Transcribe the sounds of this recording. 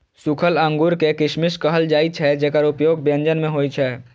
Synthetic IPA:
sʊkʰələ̃ŋɡuɾkekɪʃmɪʃkəɦəld͡ʒaːit͡ʃʰɛd͡ʒɛkəɾʊpjoːɡ̚bjə̃nd͡ʒənmẽɦoːit͡ʃʰɛː

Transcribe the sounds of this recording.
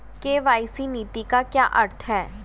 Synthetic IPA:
keːʋaːɪsiniːt̪ikakja̰ːʔɐɾt̪ʰɦɛː

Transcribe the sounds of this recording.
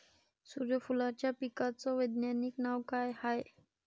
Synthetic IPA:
suɾjəfulat͡ɕjapikat͡sɔʋəd̪njaniknawkajhae

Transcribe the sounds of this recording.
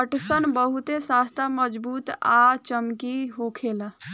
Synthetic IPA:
əʈsənbəɦut̪esast̪ʰaməd͡ʒbuːt̪at͡ʃəmkiɦokʰela

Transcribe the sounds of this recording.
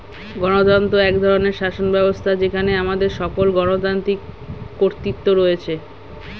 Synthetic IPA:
ɡɔnot̪ant̪oɛkd̪ʱɔɾoneɾʃaʃonbɛbost̪ʰad͡ʑekʰaneamad̪eɾʃɔkolɡɔnot̪ant̪ikːoɾt̪it̪ːoɾoet͡ɕʰe

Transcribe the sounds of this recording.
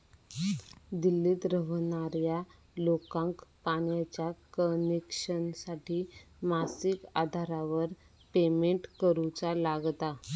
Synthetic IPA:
d̪ilːiːt̪ɾəʋnaɾja | lokãŋkpaɽjat͡ɕjakənekʂənsaʈiː | masikad̪ʱaɾaʋəɾ | pemeɳʈkəɾut͡salaɡt̪a

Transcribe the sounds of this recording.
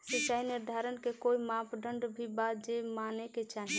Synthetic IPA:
set͡ʃaːɦineɾd̪ʱaɾənkekoimãpʰɖəɳɖbʱibat̪d͡ʒemaneket͡ʃaɦi

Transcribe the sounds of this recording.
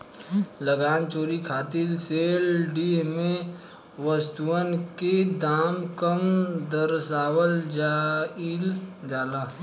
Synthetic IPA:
ləɡaːnt͡ʃoːɾikʰaːt̪ilseːlɖimẽ | ʋəst̪uənked̪aːmkəmd̪əɾsaːwəld͡ʒaild͡ʒaːlaː

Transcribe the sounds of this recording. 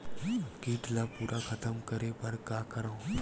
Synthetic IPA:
kiːʈlapuːɾʔakʰɐt̪əmkəɾepɐɾkaːkəɾã

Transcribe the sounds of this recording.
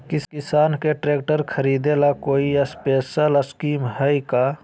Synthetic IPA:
kɪkɪsaːnkeʈɾeːk̚ʈəɾkʰəɾiːd̪elakoːiəspeːsələskiːmɦəika

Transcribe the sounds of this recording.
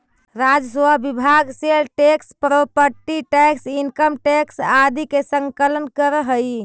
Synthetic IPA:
ɾad͡ʒəsʋabibʱaɡselʈekspɾopəɾʈiʈɛksinkəmʈeksad̪ikesəŋkələnkəɾəɦəj

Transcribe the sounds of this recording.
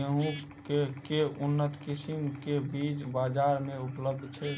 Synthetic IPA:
əɦũ | kekeunːət̪kisimkebid͡ʒbad͡ʒaɾmeupləb̚d̪ʱt͡ʃʰɛ

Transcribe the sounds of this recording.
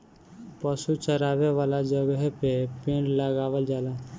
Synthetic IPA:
pəsut͡ʃəɾaːʋeʋaːlad͡ʒəɡəɦpepeːnləɡaːʋəld͡ʒaːlaː

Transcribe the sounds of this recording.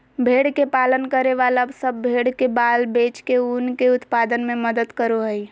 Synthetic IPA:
bʱeːɽkepaːlənkəɾeʋaːləbsəbːʱeːɽkebaːlbeːt͡ʃkeunkeʊt̪paːd̪ənmẽməd̪əd̪kəɾoɦəi

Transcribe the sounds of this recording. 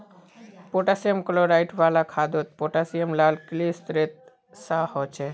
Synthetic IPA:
poʈasiemkoloɾajʈbalakʰad̪ot̪̚poʈasiemlalklist̪ɾet̪̚ | sahot͡ɕʰe

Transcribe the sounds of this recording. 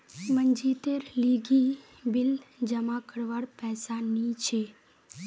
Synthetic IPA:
mənd͡ʒiːt̪eɾliːɡi | bɪld͡ʒəmakəɾʋaɽpɛːsanit͡ʃʰe

